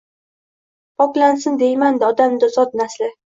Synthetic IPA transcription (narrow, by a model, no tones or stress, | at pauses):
pʰɒklansɪnd̪e̞jmand̪aɒd̪amd̪azɒt̪̚naslɪ